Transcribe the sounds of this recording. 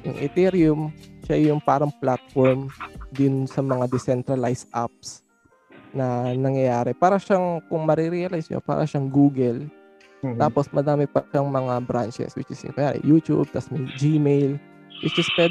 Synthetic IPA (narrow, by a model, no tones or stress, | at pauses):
jʊ̰ŋʔɪ̰t̪iɾjʊmʃajʊŋpaːɾɐŋplat̪̚fɔɹmd̪ʊnsɐmɐŋad̪ɛsɛnt̪ɾɐlajsʔa̰p̚s | nɐnɐŋjɐjaːɾɛpaːɾɐʃaŋkʊŋmɐɾiɾiɐlajsɲa̰pa̰ːɾʔɐʃaŋɡuːɡɛl | t̪aːposmɐd̪aːmɪpɐʃaŋmɐŋabɾant͡ʃɛ̰swɪt͡ʃɪsjʊ̰nɐjaːɾɛ̰juːt̪ṵb̚t̪ɐsmed͡ʒimejl | wɪt͡ʃɪspwɛ